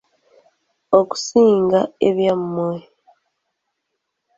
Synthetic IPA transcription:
oku̥siːŋɡaeβjammwe

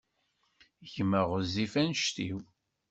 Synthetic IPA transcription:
çməʁəzifænʃt̪iw

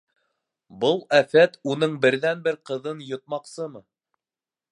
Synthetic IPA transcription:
bɤlˠæfæt̪unɤɴbɘ̆ɾðænbɘɾqɤ̆ðɤnjŏt̪̚mɑqsɤmɤ

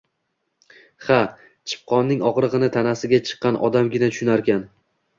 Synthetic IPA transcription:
χa | t͡ʃʰɪ̥p̚qʰɒnːɪŋɒqɾɨʁɨnɪt̪ʰanasɪɡʲat͡ʃʰɨ̥qːɑnʔɒ̰d̪amɡʲɪnat̪ʰʊ̥ʃʊnaɾkʲan

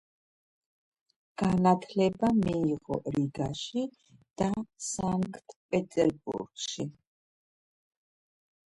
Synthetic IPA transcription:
ɡ̥anat̪ʰlɛbamiːʁɔ̰ɾiɡaʃi | d̪̥asaŋkʼt̪ʰpʼɛt̪ʼɛɾbṵɾɡ̥ʃi

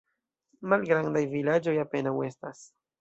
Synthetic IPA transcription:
malɡɾand̪ajvilad͡ʒojapenawest̪as

